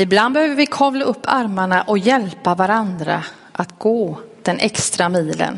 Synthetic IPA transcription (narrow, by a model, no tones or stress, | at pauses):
ɪbland̪bɛhøːvəɾvɪkʰɔːvlaɵpʰːaɾmaɳaʔɔkjɛlpavaɾand̪ɾa̰ | ʔat̪ɡoːd̪̥ɛnʔɛkst̪ɾamiːlə̰n